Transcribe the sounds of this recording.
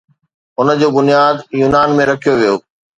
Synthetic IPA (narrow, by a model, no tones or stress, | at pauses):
ʊnəd͡ʑoːbʊnijaːd̪juːnaːnmẽɾɐkʰijoʋijoː